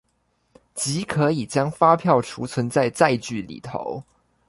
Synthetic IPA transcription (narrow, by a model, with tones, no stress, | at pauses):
t͡ɕi˧˥kʰɤ˧˥i˨˩t͡ɕjɑ˥ŋfa˥pʰjɑ˥˩ʊʈ͡ʂʰu˧˥t͡sʰwə˧˥nt͡sa˥˧ɪt͡sa˥˧ɪt͡ɕy˥˩lḭ˨˩t̪ʰo̰˧˦ʊ